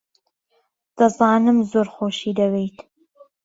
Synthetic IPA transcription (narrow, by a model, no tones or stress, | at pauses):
d̪̥ɐzɑːnɨmzoːɾχoːʃiːd̪ɐwejt̪